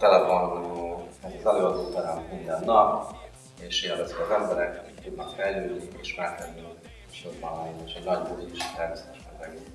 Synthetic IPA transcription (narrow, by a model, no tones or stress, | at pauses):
t̪ɛlɛfonøɛzɒzɛløːɒd̪oːsɛɾɛmmind̪ɛnːɒk | eːʃeːlvɛzikɒzɛmbɛɾɛkt̪ud̪nɒkfɛjløːd̪nieʃmɛlkɛd̪ni | ʃodbɑneːʃɛɟnɒɟbud̪ikiʃt̪ɛrvsɛt̪ɛʃmɛnɾɛɡi